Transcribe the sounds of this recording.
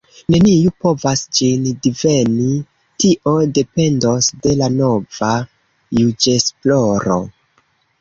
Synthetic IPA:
ne̞niupo̞vasd͡ʒindive̞ni | tiʔo̞de̞pe̞ndosde̞lano̞va | jud͡ʒe̞splo̞ɾo̞̰

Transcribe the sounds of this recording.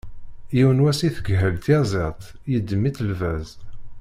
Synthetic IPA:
jiwənwæsiθəɡɦəlt̪ezˤɪt̪ˤ | jəd̪ːəmːit̪əlvæz

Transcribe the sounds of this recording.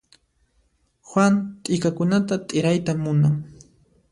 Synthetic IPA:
xwant̪ʼɪkakʊnat̪at̪ʼɪɾajt̪amʊnaŋ

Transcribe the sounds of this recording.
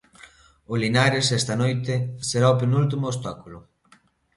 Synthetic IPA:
olinaɾesɛst̪ɐnojt̪eseɾaopenult̪̬imʊːst̪akulʊ

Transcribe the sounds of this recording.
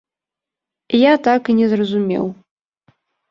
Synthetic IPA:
jat̪akinʲɛzrɐzumʲɛ̰w

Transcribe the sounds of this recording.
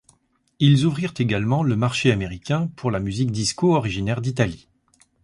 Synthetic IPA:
ilzuvʁiʁt̪eɡalmɑ̃ləmaʁʃeameʁikʲɛ̃pʰuʁlamyzik̚d̪iskoɔʁiʒinɛʁd̪it̪ali

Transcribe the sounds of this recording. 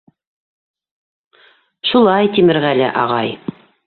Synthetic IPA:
ʃulˠɑjt̪imɘ̆ɾɣælɘ̰ʔɑ̰ʁɑj

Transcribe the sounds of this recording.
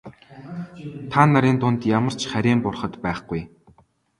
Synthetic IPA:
t̪ʰanːaɾʲiːnt̪ʊnt̪jamə̆r̥t͡ɕχæɾʲiːmpʊrχə̆t̪pæːχɡuj

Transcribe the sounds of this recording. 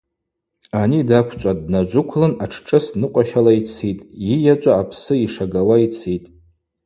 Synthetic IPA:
anidakʷʰt͡ʃʷʼadnad͡ʒʷʊkʷʰlɨnaʈ͡ʂʰʈ͡ʂʼɨsnɨqʷʼaʃalait͡sʰitʼjijat͡ʃʷʼaːpʰsɨiʂaɡawait͡sʰitʼ

